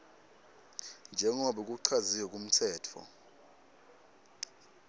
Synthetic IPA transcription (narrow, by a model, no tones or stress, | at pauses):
nd͡ʒʱɛŋɔɓɛk̬ʼuǀʰaziwɛk̬ʼum̩tʰɛːtʰɔ̰